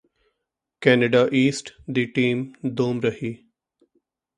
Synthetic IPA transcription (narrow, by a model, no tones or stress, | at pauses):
kɛneɖaʔiːsʈd̪iʈĩːmd̪oːmɾəɦi